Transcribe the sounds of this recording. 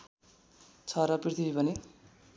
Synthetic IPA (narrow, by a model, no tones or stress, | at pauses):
t͡sʰʌɾʌprit̪ʰibipʌni